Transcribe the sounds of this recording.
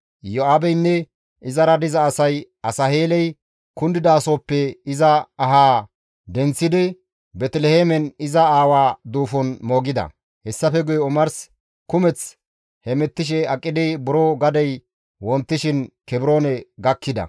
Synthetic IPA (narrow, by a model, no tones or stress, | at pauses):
joaːbɛjnːɛ | ɪzɐɾɐd̪ɪzɐːsɐj | ɐsɐheːlɛj | kʊnd̪ɪd̪aːsoːpːɛɪzɐːɦaː | d̪ɛnt͡sːɪd̪ɪ | bɛt̪ɪlɛheːmɛnɪzɐaːwaːd̪uːfɔnmoːɡɪd̪ɐ̰ | hɛsːɐfɛɡʊjɛʊmɐɾs | kʊmɛt͡s | hɛmɛt̪ːɪʃ̬ɛɐkʼːɪd̪ɪbʊɾoɡɐd̪ɛj | wɔnt̪ːɪʃɪnkɛbɾo̞ːnɛɡɐkːɪd̪ɐ̰